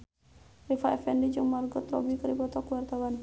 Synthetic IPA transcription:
rifaɛfɛndid͡ʒəŋmarɡɔt̪rɾɔ̰bikəɾipɔt̪ɔkuwart̪awan

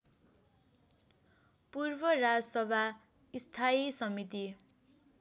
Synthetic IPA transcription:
purbʌrad͡zʌsʌbʱa | ist̪ʰaisʌmit̪i

